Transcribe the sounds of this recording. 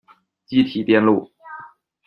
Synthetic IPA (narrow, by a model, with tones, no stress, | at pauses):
t͡ɕi˥˩t̪ʰi˨˩t̪jɛ˥˧nlu˥˩